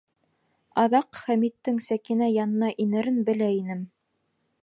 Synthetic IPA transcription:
ɑðɑqχæmit̪ːɘŋsækɘnæjɑnɤ̆nɑʔinɘ̆ɾɘnbɘ̆læinɘm

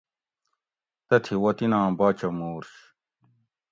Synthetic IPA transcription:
t̪ɐt̪ʰiwɐt̪inãːbaːt͡ɕɐmuːɾɕ

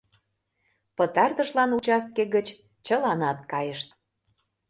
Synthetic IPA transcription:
pə̆t̪ɑrt̪ə̆ʃlɑnut͡ɕɑst̪̚keɣət͡ɕ | t͡ɕəlɑnɑt̪̚kɑjəʃt̪̚

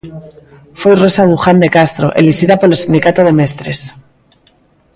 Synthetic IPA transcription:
fwero̞saɣuxand̪e̞kast̪ɾo̞̰ʔḛlixiðapo̞ɾelsind̪ikat̪oð̞e̞me̞st̪ɾe̞s

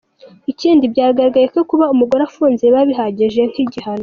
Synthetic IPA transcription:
iciːndibɟaːɾaɡaɾaɡajekokuβaumuɡo̞ɾafuːnzeβaβiɦaɟiʒe̞ŋ̥hiɟihano

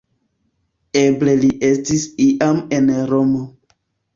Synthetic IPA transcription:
eble̞liʔe̞stisiʔame̞nɾo̞mo

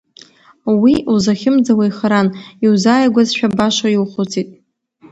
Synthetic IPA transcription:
wiuzaχʲɪmd͡zawajχaɾaniwzaːjaɡʷazʃᶣabaʂaiwχʷʊt͡sʰitʼ

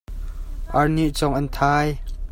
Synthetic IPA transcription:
ʔɐrniʔt͡sɔŋʔɐnt̪ʰaːj

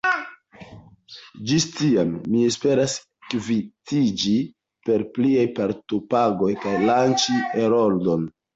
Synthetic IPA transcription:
d͡ʒistiamːie̞spe̞ɾas | kvitid͡ʒi | pe̞ɾpliajpaɾtopaɡo̞jkajlant͡ʃieɾoldo̞n

